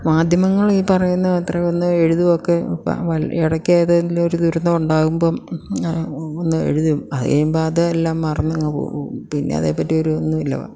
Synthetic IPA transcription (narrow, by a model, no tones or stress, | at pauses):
maːd̪ʱjɐmɐŋːɐɭiːpɐrɐjunːɐðɐt̪reonːɨeɻuðuʋokːepʋɐliɽɐkːeːðɐniloɾud̪uɾɐnːɐuɳɖaːɣumbo̞ː | onːɨe̞̰ɻuðumɐðḛjumboːɐðɨelːaːmːɐrɐnːɐŋːɐpo̰ːumpinːḛɐ̰ðḛːpːɐtːio̞ɾuonːuilːɐ̰ʋɐ̰